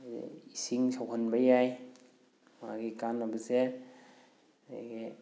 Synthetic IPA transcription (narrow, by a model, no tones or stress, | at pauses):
isiŋsawɦanbajaj | ma̰ɡikanːabɐze | a̰ɡe